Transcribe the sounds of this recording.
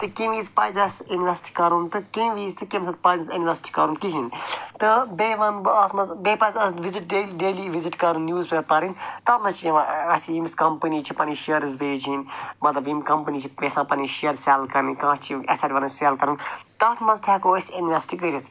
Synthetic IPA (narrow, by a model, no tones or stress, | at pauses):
t̪ɨkĩmiːzpɐːzɐsinʋesʈi̥kɐɾunt̪ɨkĩʋiːzt̪ʰɨkimsɐ̃t̪̚pɐzɐt̪inʲʋesi̥ʈi̥kɐɾuːnk̪iɦint̪ɨbeːʋɐnbɐt̪ʰmɐzbeːpɐːzɐʋiziʈ̚ɖeːɖeːliʋiziʈkɐɾunːjuːzbepɐɾint̪ɐt̪ʰmɐzt͡ʃʰid͡ʒɐʋãɐsiimiskɐmpəniːt͡ʃʰipɐniʃeɾizbeːd͡ʒʰinmɐt̪lɐbimkɐmpəniːt͡ʃʰiʋesãːpɐniʃeəɾseːlkɐɾnikãːt͡ʃt͡ʃʰiɐsaːɾʲʋɐnɐt͡ʃselkɐɾunt̪ɐt̪ʰmɐzt̪ʰjɛːkoːsinʋesʈiɡəɾit̪ʰ